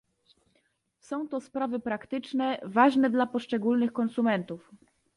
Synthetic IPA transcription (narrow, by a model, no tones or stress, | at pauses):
sɔ̃w̃t̪ɔspɾavɘpɾakt̪ɘt͡ʂnɛvaʐnɛd̪lapɔʂt͡ʂɛɡulnɘxkɔnsumɛnt̪uf